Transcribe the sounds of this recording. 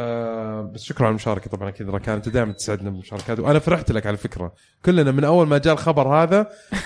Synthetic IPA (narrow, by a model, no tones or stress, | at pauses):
basʃʊkɾʕalmʊʃɑːɾˤɑkat̪ˤɑbʕɑnʔakiːd̪ɾˤɑkaːnt̪ːad̪aːjmant̪ɪ̥saʕɪd̪nabɪlmʊʃɑːɾˤɑkaːt̪wʔanafaɾˤɪħt̪lakʕalafɪkɾa̰ | kʊlːnamɪnʔawːalmad͡ʒaːlxɑbɑɾˤhaːða